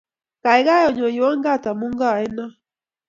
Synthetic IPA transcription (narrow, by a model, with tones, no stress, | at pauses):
ka˨ɛ˨˦ɣa˦jɔ˨ɲɔ˨ji˨wa˦ŋɡa˦˨ta˨mu˦ŋɡa˦˨ɛ˦na˦